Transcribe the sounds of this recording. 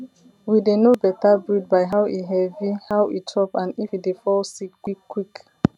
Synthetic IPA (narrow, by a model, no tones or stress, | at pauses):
widenobɛtabɹid̚baɪɦawʔiɦɛvihawitʰɹɔpãnifidefɔlsikwikːwik